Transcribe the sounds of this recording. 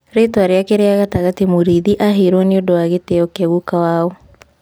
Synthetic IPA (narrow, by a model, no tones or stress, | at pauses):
ɾetwaɾeakeɾeaɣataɣatimuɾiðiʔaɦeɾwɔneodoaɣeteɔkɛɣukawaɔ